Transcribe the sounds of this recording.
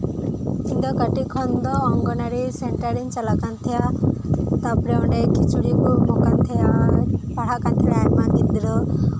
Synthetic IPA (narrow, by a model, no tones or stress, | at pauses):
ind̪ɔkəʈikʰɔnd̪ɔːŋɡɔnaɾiseɳʈəɾint͡ʃalakant̪ʰija | t̪apɾeɔ̃ɳɖekit͡ʃuɽikumɔkant̪ʰijapaɽ̤akant̪ʰiɽamaɡid̪iɾɔ